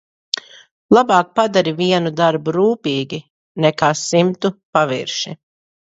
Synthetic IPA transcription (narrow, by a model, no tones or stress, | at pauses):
lˠabɑːk̚pad̪aɾiviɛnud̪aɾbuɾuːpiːɡʲi | nɛkaːsimt̪upavḭɾʃi